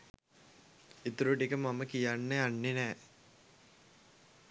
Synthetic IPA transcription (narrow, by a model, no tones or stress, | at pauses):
it̪uɾuʈikəmaməkijanːeanːenɛː